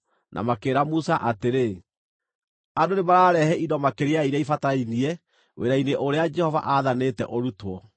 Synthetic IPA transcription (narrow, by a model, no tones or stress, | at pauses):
nʔa̰makeːɾamusaʔateɾe | adonemaɾaːɾɛhɛidɔmakeɾeaiɾaifatainiɛ | wʔḛɾaineʔoɾead͡ʒɛhɔva̰ʔaːðanetɛ̰ʔoɾutwɔ